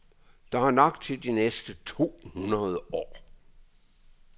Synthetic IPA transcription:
d̥ɑ̈hɑ̈nɑ̈ɡ̥̚d̥̚t͡sʰe̝ld̥inesd̥ət͡sʰo̝̰ːhunɐðˠəʔɒ̰ː

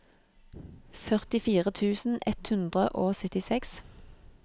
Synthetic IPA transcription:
fœʁt̪ɪfiːʁət̪ʰʉːsn̩ɛt̪hʉnd̪ʁəʔoːsœt̪ɪsɛks

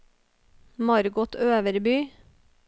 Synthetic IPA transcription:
mɑɾɡʊt̪ʰøːʋəɾbyː

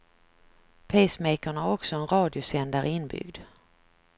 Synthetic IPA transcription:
pʰesmɛjkaɳaæɾɔksɔɛnɾɑːd̪ɪʊsɛnd̪aɾɪnːbʏ̰ɡd̪

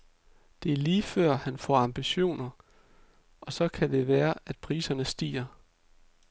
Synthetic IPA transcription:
d̥e̝æɐliːfɶɐ̰hænfɒ̰ɑ̈mb̥iɕo̝̰ːnɐ | ʔɒ̽sɒ̽kʰæd̥e̝ʋæːɐʔæd̥̚pʰʁiːsɐnəsd̥ḭːɐ

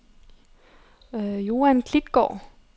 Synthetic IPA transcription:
jo̝ːænkʰlid̥ɡ̥ɒ̰ː

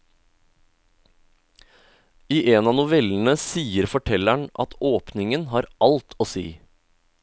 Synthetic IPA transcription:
iːʔeːnɑːnʊʋɛln̩əsiːəɾfɔʈʰɛlæɳʔɑ̰t̪ʰoːpnɪŋənhɑːɾɑlt̪ʰoːsḭː

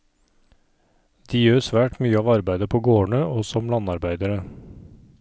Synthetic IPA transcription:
d̪̥iːjøːɾsʋæːʈmyːəɑːʋɑɾbæɪd̪əpʰoːɡoːɳəʔoːsɔmlɑnɑɾbæɪd̪əɾə

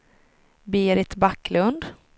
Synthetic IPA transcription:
biːɾɪt̪bakːlɵnd̪

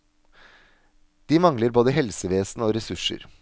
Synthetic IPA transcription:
d̪̥iːmɑŋləɾboːd̪əɦɛlsəʋeːsn̩oːɾɛsʉʂə̰ɾ

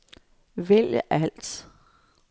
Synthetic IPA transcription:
ʋeljəʔæl̰d̥

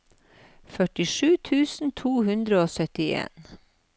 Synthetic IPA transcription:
fœʈɪʃʉːt̪ʰʉːsn̩t̪ʰuːhʉnd̪ɾəoːsœt̪ɪḛːn

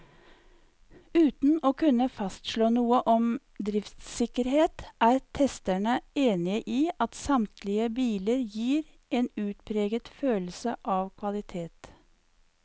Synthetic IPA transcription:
ʉːt̪n̩oːkʰʉnəfɑst̪ʃloːnuːəʔɔm | d̪ɾɪft̪sɪkəɾheːt̪æːɾt̪ʰɛst̪æɳəeːnɪəʔiːʔɑt̪sɑmt̪ʰlɪəbiːləɾjiːɾ | eːnʉːt̪pʰɾeːɡət̪føːlsəʔɑːʋkʰʋɑlɪt̪ʰeːt̪

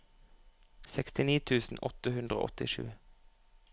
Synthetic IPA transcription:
sɛkst̪ɪniːt̪ʰʉːsn̩ʔɔt̪əhʉnd̪ʁəo̰ːʔɔt̪ɪ̰ʃʉ̰ː

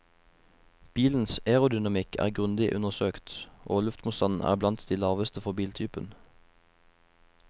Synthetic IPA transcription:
b̥iːln̩seːʁʊd̪ʏnɑmɪkʰæ̰ːʁɡʁʉnd̪ɪʔʉnəʁsøːkt̪ʔoːlʉft̪mʊst̪ʰɑnn̩ʔæ̰ːʁblɑnt̪d̪iːlɑːʋəst̪əfɔʁbiːlt̪ʰyːpən

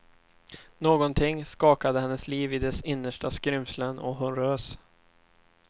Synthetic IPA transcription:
noːɡɔnt̪ʰɪŋːskɑːkad̪əhɛnːəsliːvɪd̪ɛsɪnːəʂʈaskɾʏmslənʔɔ̰ɦʊnɾøːs

